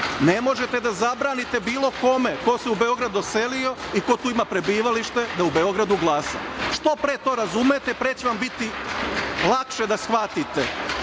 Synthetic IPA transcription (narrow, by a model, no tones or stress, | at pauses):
nemo̞ʒet̪ed̪azabɾaːnit̪ebiːlo̞ko̞meko̞seubeo̞ɡɾad̪ose̞lio̞iko̞t̪uːimapɾe̞biːʋaliʃt̪e̞d̪aube̞o̞ɡɾad̪uɡlˠaːsa̰ʃt̪o̞pɾeːt̪o̞ːɾazumet̪epɾet͡ɕeʋambit̪i | lˠakʃed̪asxʋat̪it̪e